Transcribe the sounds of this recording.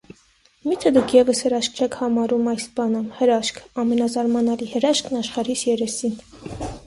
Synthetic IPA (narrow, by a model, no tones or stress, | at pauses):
mit̪ʰəd̪ukʰjɛvəshəɾɑʃk̚t͡ʃʰɛkʰhɑmɑɾumɑjsbɑnəmhəɾɑʃkʰɑmɛnɑzɑɾmɑnɑlihəɾɑʃkʰnɑʃχɑɾisjɛɾɛsin